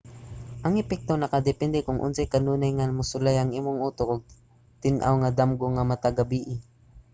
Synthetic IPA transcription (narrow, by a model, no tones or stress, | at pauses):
ʔɐŋɛpɛk̚t̪onɐkad̪ɛpɛnd̪ɛkʊŋʔʊ̰nsajkɐnuːnajŋamʊsʊlajɐŋʔiːmoŋuːt̪okʊɡ̚ | t̪ɪnʔa̰wŋad̪amɡoŋamɐt̪aɡabiːʔɪ